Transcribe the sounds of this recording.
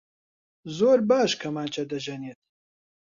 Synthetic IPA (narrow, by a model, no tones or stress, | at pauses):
zoːɾbaːʃkʰɐmaːnt͡ʃʰɐd̪ɐʒɐneːt̪̚